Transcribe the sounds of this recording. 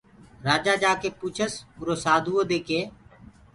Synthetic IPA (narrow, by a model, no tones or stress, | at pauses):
ɾaːd͡ʒaːd͡ʒaːkeːpuːt͡ʃʰəsʊɾoːsaːd̪ʱuːoːd̪eːkeː